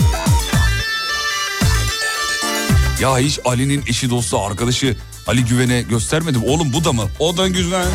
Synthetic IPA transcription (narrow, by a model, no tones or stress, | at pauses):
jaiʃalʲininiʃid̪o̞st̪aaɾkad̪aʃɯ | alʲiɟyve̞nɛɟø̞st̪ʰæɾme̞d̪imo̞lˠumbud̪amɯoɾd̪anɟyzvænʲ